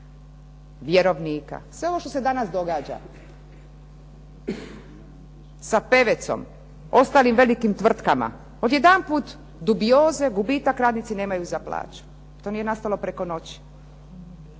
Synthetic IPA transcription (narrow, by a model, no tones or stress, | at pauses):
ʋjeɾo̞ʋniːka̰sʋe̞oʋo̞ʃt̪o̞sed̪anasd̪o̞ɡaːd͡ʑa̰ | sape̞ʋe̞t̪so̰m | o̞st̪aːlimʋe̞likimt̪ʋr̩t̪kama̰ | od̪je̞d̪anpuːt̪ | d̪ubijoːze̞ɡubiːt̪akɾaːd̪nit̪sineːmajuzapla̰ːt͡ʃu̥ | t̪onije̞nast̪alo̞pɾeko̞no̞t͡ɕi̥